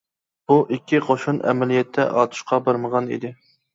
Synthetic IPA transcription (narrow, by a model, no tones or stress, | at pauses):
b̥uʔikʲʰːiqʰoʃunɛ̰mɛlijɛt̪ʰːɛ̰ʔɑːt̪ʰu̥ʃqɑbɑɾməʁɑnḭd̪ɪ